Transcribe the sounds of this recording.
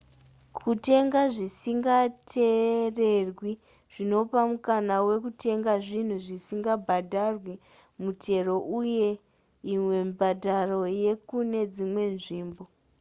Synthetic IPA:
kʰute̞ŋɡaʐisiŋɡatʰere̞rwi | ʐ̥ino̞pamukanawe̞kute̞ŋɡaʐin̤uʐisiŋɡabʱadʱarwi | mutʰe̞ro̞ʔuje̞ | imwe̞mbʱadʱaro̞je̞kune̞d͡zimwe̞nʐiːmbo

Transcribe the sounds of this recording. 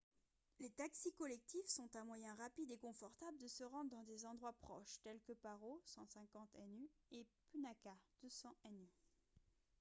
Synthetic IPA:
let̪aksikɔlɛk̚t̪ifsɔ̃t̪ɛ̃mwajɛ̃ʁapid̪ekɔ̃fɔʁt̪abləd̪əsəʁɑ̃d̪ʁd̪ɑ̃d̪ezɑ̃d̪ʁwapχɔʃt̪ɛlkəpaʁosɑ̃sɛ̃kɑ̃t̪ɛnyepynakad̪̥øsɑ̃ɛny

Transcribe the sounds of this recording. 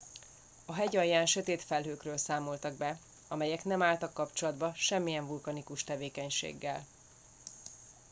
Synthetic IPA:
ɒɦɛɟɒjːaːnʃøt̪eːt̪fɛlɦøːkrøːlsaːmo̞lt̪ɒɡ̚bɛ | ɒmɛjɛknɛmaːlt̪ɒkːɒpt͡ʃo̞lɒd̪bɒʃɛmːijɛɱvulkɒnikuʃt̪ɛveːkɛɲʃḛːɡːɛl

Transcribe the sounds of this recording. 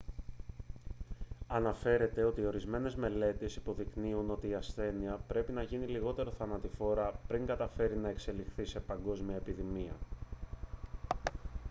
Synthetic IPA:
ɐnɐfe̞ɾe̞t̪e̞o̞t̪iːo̞ɾizme̞ne̞zme̞le̞t̪esi̥po̞ðikniuno̞t̪iːɐsθe̞niɐpɾe̞pinɐʝiniliɣo̞t̪e̞ɾo̞θɐnɐt̪ifo̞ɾɐpɾiŋɡɐt̪ɐfe̞ɾinɐe̞kse̞lixθise̞pɐŋɡo̞zmiɐepiðimiɐ̰

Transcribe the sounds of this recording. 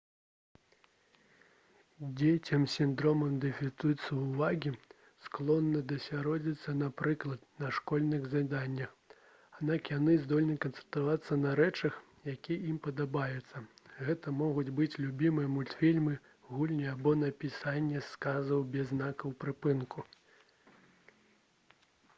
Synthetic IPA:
d͡zʲet͡sʲɐmsʲind̪ɾɔmɐmd̪ɛfʲit̪ut̪sɐwuvaɣʲi | sklˠɔnːɐd̪ɐsʲaɾɔd͡zʲit̪sːɐnapɾɨklˠɐt̪̚nɐʂkɔlʲnɨɣzad̪anʲːɐx | ad̪nakjanɨzd̪ɔlʲnɨkɐnt̪sɛ̥nt̪avat̪sːɐnɐɾɛt͡ʂɐx | jakʲiimpɐd̪abajɛt̪sːɐɣɛt̪ɐmɔɣud͡zʲbɨt͡sʲlʲubʲimɨjɐmulʲt̪fʲilʲmɨ | ɣulʲnʲiabɔnɐpʲisanʲːɛskazɐwbʲɛznakɐwpɾɨpɨnku

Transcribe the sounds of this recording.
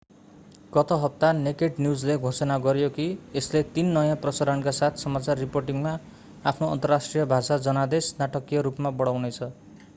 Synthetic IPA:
kʌt̪ʌɦʌp̚t̪anekeʈnijud͡zleɡʱosʌnaɡʌɾjokieslet̪inːʌjãprʌsaɾʌnkasat̪ʰsʌmat͡sarːiporʈiŋma | apʰnoʌ̰nt̪ʌrasʈrijʌbʱasad͡zʌnad̪esnaʈʌkijʌɾupmabʌɽawnet͡sʰʌ

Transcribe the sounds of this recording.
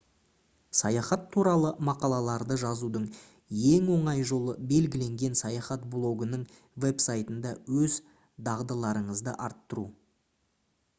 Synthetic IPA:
sɑjɑχɑt̪ʰːuɾɑlˠəmɑqɑlˠɑlˠɑɾd̪əʒɑzud̪əɴ | je̞ŋwo̞ɴɑjʒo̞lˠəbe̞lɡʲɪle̞ŋɡʲe̞nsɑjɑχɑt̪̚blˠo̞ɡənəɴ | ve̞psajt̪ənd̪ɑwɵz | d̪ɑʁd̪əlˠɑɾəɴəzd̪ə̰ʔɑɾt̪ːəɾu

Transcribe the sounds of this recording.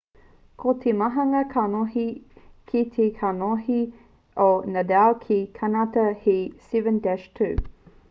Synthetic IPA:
kʰotʰemɐɦɐŋɐkʰanoɦikʰitʰekʰanohi | onɐdawkʰikʰanatɐhisivə̃ndɛʃtʰu

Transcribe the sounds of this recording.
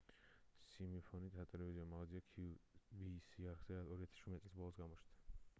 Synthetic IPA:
simipʰɔnit̪ʼat̪ʼɛlɛviziamalaziakʰuvisiaɾχzɛɔɾiat̪ʰḁʃt͡ʃʰuɾmɛt̪sʼlis̬bɔlˠɔsɡamɔt͡ʃ̪ʰd̪a

